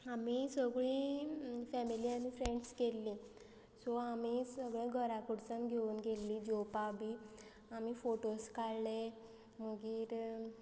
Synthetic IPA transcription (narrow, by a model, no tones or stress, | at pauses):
amisəɡɭi | fɛmilianifɾeɳɖskelːĩ | sɔamisəɡɭẽɡʱəɾakuɽt͡sãnɡʱeuːnɡelːid͡ʑopabiː | amifoʈoskaɭle | məɡiːɾ